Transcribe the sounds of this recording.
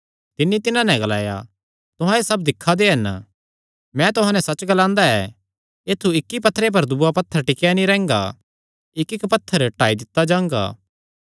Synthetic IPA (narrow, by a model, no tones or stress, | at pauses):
t̪ɪnːit̪ɪnãnɛɡɐla̰ːja̰ | t̪ʊɦãesɐbd̪ɪkʰːad̪eɦɐn | mɛ̃t̪ʊɦãːnɛ̃sɐt͡ʃɡɐlãːnd̪aɛ | eːt̪ʰːuɪkːipɐt̪ʰːɾep̬ɐɾd̪uapɐt̪ʰːəɾʈɪkjanĩɾɛ̃ːŋɡa̰ | ɪkɪkpɐt̪ʰːəɾʈaːid̪ɪt̪ːad͡ʒãːŋ̆ɡa̰ː